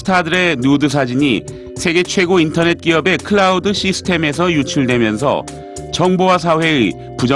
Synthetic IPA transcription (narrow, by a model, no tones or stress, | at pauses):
tʰadɯɾe̞nudɯs̬ʰad͡ʑiɲi | sʰe̞ɡe̞t͡ɕʰwe̞ɡointʰʌne̞t̚k͈iʌbe̞kʰɯɭaudɯɕʰisʰɯ̥tʰe̞me̞s̬ʰʌjut͡ɕʰuɭdwe̞mjʌns̬ʰʌ̰ | t͡ɕʌŋbowas̬ʰawe̞ɯ | pud͡ʑʌ